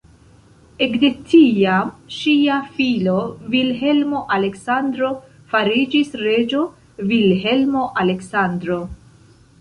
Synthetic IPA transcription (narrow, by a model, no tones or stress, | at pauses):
ekde̞tiamʃiafilo̞vilɦe̞lmo̞ʔale̞ksandɾo̞ | faɾid͡ʒisɾe̞d͡ʒo̞ | vilɦe̞lmo̞ʔale̞ksandɾo̞